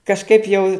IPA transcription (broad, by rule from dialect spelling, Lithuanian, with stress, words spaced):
kɐʃˈkɐɪp jɛʊ